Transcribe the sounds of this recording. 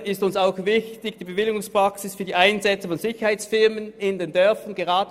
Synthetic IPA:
ɪstʊnsaʊxvɪçtɪɡd̥iːbəvɪlɪɡʊŋspʁ̥ɑksɪsfyːɐdiːʔaɪnzɛt͡səfɔnzɪçɐhaɪt͡sfɪɐmənɪndendœɐfɐnɡ̥eʁɑːdə

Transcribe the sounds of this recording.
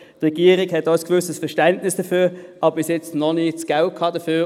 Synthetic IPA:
tʁɛɡ̥iəʁɪkhɛtɔsɡ̥ʋʏsəsfɛɐʃtɛntnɪsd̥əfyːʔɑbbɪsjɛt͡stnɔnit͡sɡ̥al̚kʰɑːd̥əfyː

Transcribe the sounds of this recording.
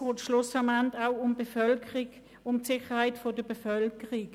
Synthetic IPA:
oːtʃlʊsɑmantaʊʊmbefœlkʰəʁiɡ | ʊmtsɪχəhaɪtfod̥əbefœlkəʁɪk

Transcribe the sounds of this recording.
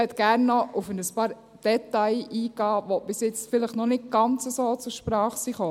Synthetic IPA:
ɛt̪ɡ̥æːɾnːɔʔufənəspɑːɾ | d̥ɛt̪ɑɪiːɡɑːʋɔb̥ɪsjɪt͡sfɪləχnɔnɪt̚ɡ̥ɑnt͡səsoːt͡sʊɾʃpɾɑːχsiχoː

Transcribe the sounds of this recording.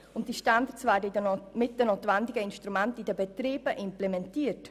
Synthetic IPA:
ʊntd̥iʃtand̪əsvæːdəmɪt̚d̥ənotvɛndɪɡəɪnʃtɾumɛntidəbɛtɾiːb̥əʔɪmplɛmɛntiːət

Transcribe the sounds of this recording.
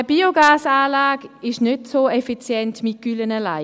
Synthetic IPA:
əbiːoɡaːsaːlaːɡɪʃnøtsoɛfit͡sjɛntmɪt̚ɡ̥ylənəlaɪ

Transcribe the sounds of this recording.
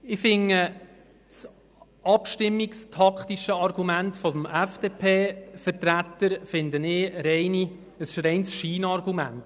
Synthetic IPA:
ɪfɪŋːə | t͡s | ɑpʃtɪmːikstʰɑkχt̪iʃəɑrɡumæntfɔmæfd̥eːpʰeːfəɾtɾæt̪ːəɾfɪndənɪːɾɛɪni | əsɪʃɾɛɪnsʃiːnɑrɡumæ̰nt

